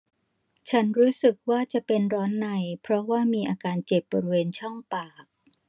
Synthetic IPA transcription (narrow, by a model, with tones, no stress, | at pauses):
t͡ɕʰa˦˥nɾuː˦˥sɯ˨˩k̚waː˥˩t͡ɕa˨˩pe˧nɾɔː˦˥nːa˧jpʰɾɔ˦˥waː˥˩miː˧ʔaː˧kaː˧nt͡ɕe˨˩p̚bɔː˧ɾi˦weː˧nt͡ɕʰɔ˥˩ŋpaː˨˩k̚